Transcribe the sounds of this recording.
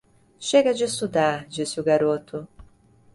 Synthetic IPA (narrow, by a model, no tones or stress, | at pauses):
ʃeɡɐd͡ʒɪsud̪ad͡ʒisɪuɡaɾot̪ʰʊ